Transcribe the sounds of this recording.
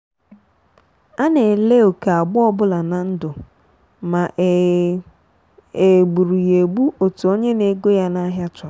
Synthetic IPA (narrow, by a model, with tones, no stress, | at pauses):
a˦ne˨le˦o˨ka˨a˨ɡ͡bʊ˦ɔ˦bʊ˦la˨na˨n̩˦dʊ˨ | ma˨ʔ | e˨ɡ͡bu˨ɾu˨je˨ɡ͡bu˦ʔo˨tu˨o˦ɲe˦ne˦ɡo˦ja˦na˦ɦja˦t͡ʃʊ˨